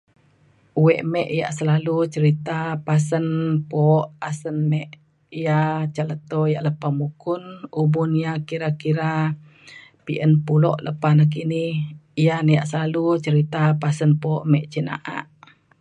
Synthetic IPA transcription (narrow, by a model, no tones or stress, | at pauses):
uwɛʔmɛʔija̰ʔsəlalut͡ʃəɾit̪apas̬ənpɔːʔasənmɛʔ | ijat͡ʃələt̪ɔijaʔləpamukunubunijakiɾakiɾa | piʔənpulɔ̰ʔləpanak̬inihijanəjaʔsəlalut͡ʃəɾit̪apasənpoːʔmɛʔt͡ʃəna̰ʔa̰ʔ